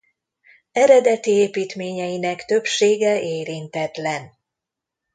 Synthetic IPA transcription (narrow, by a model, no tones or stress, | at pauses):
ɛɾɛd̪ɛt̪ieːpiːt̪meːɲɛjinɛkt̪ø̞pʃeːɡɛʔeːɾint̪ɛt̪lɛn